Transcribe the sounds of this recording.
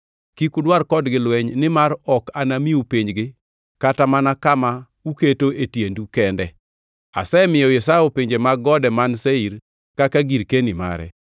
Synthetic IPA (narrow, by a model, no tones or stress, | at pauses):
kikudwarkɔdɡɪlwɛɲnɪmaɾɔkanamiupiɲd͡ʒɡɪ | katamanakama | uketoʔetjendukɛndɛ | a̰sɛmɪjɔjɛsajopeɲd͡ʒemaɡɔdɛmanseiɾ | kakaɡiɾkenima̰ɾɛ̰